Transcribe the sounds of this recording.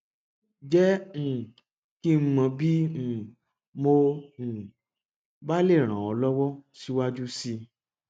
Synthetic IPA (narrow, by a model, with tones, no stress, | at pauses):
d͡ʒɛ˦ñ̩˨ | ki˦m̩˦mã˧bĩ˦˨ | mõ˧˨ | ba˦le˦˨ɾ̃ã˨ɔ˧lɔ˦wɔ˦si˦wa˦d͡ʒu˦si˧